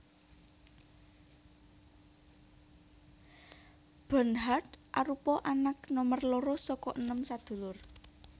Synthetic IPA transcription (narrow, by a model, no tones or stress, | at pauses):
b̥ə̤nɦard̪ʔaɾupɔʔanaknɔmərloɾosɔkɔʔənəmsad̪̥ṳlʊr